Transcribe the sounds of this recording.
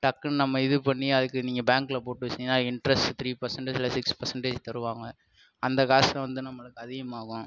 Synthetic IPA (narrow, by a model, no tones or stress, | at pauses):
ʈɐkːɐnnɐmːɐɪðɯpɐɳːiɐðɯkːɯniːŋɡɐbaːŋkɪlɐpoːʈːɯʋɐt͡ʃːɪnɪnːaːɪɳɖɾɐst̪ʰɾiːpɐɾsɐɳʈɐd͡ʒɪlːɐsɪkspɐɾsɐɳʈeːd͡ʒt̪ɐɾɯʋaːŋɡɐ | ɐnd̪ɐkaːsɐ̃ʋɐnd̪ɯnɐmːɐɭɯkːɯɐðɪɣɐmaːɣʊ̃